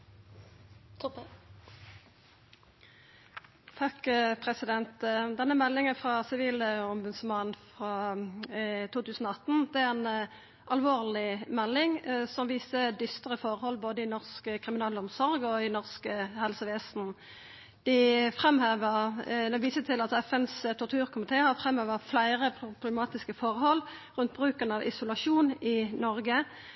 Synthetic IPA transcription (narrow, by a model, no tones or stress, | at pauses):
t̪ʰɑkpʰʁɛsɪd̪ɛnt̪d̪ɛnːəmɛlːɪŋəfʁɑsɪʋiːləʊmbʉd̪smɑnnfʁɑ | t̪ʰuːt̪ʰʉːsn̩ɔːɑt̪n̩d̪ɛæɛn | ʔɑlʋoːʁlɪmɛlːɪŋsɔmʋiːsəd̪ʏst̪əʁəfɔʁhɔlboːd̪əɪnɔʁskəkʰʁɪmɪnɑːləɔmsɔɾɡɔɪnɔʁskəhɛlsəʋeːsn̩ | d̪̥ɪfʁɛmhøːʋəʁd̪ɛʋiːsət̪ʰɪlɑt̪ɛfɛnst̪ʰɔʁt̪ʰʉːʁkʰʊmɪt̪ʰeːhɑʁfʁɛmhøːʋəʁflæɪʁəpʰʊblɛmɑːt̪ɪskəfɔʁɦɔlːʁʉnt̪̚bʁʉːkənəɑʋʔɪsʊlɑʂuːnɪnɔɾɡə